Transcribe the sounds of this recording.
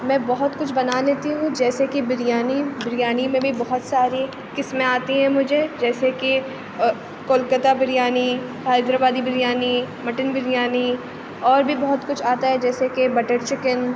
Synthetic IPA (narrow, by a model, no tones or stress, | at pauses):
mɛ̃ːbɔɦʊt̪kʊt͡ʃʰbɐnaleːt̪iɦũd͡ʒɛːsekibɪɾijaːnibɪɾijaːnimẽbʱibɔɦʊt̪saːɾi | kɪsmẽaːt̪iɦɛ̃mʊd͡ʒʱed͡ʒɛːseki | koːlkət̪abɪɾijaːni | ɦaːɪd̪ɾabaːd̪ibɪɾjaːnimɐʈɪnbɪɾijaːni | ɔːɾbʱibɔɦʊt̪kʊt͡ʃʰaːt̪aɦɛd͡ʒɛːsekebɐʈəɾt͡ʃɪkən